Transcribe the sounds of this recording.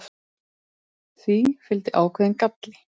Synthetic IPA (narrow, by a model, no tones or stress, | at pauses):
θvifɪlt̪ɪʔaːwkʰvɛːðɪnkat̪lɪ